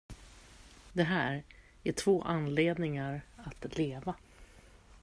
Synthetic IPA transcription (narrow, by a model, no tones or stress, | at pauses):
d̪ɛɦæːɾ | æʈʰvoːʔanleːd̪nɪŋaɾat̪leːva